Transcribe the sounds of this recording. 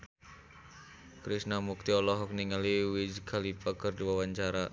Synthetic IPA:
kɾisnamuk̚t̪iɔlɔɦɔk̚niŋaliwid͡ʒɡʰalipakɨrdiwawaɲt͡ʃaɾa

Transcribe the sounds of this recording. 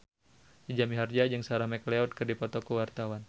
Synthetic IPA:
did͡ʒamiɦard͡ʒad͡ʒəŋsaɾamɛkleɔd̚kɨrdipɔt̪ɔkəwart̪awan

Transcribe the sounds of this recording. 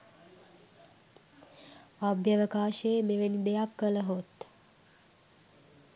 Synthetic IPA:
abjəʋəkaːʃeːmeʋenid̪ejakːələɦot̪

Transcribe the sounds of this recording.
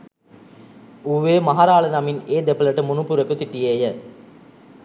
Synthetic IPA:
uʋeːmaɦaɾaːlənɐmineːd̪epələʈəmunupuɾekusiʈijeːjə

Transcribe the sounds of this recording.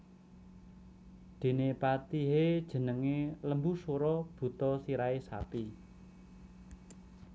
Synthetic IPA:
d̪̥e̤nepat̪iɦed̥ʒ̥ə̤nəŋeləmbusoɾɔb̥ṳt̪ɔsiɾaesa̰pi

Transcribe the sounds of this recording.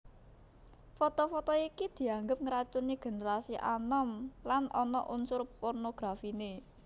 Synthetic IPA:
fɔt̪ɔfɔt̪ɔikid̪̥i̤aŋɡəp̚ŋəɾat͡ʃuniɡ̥e̤neɾasiʔa̰nɔmlanʔɔnɔ̰ʔunsʊrpornoɡ̥ɾafine

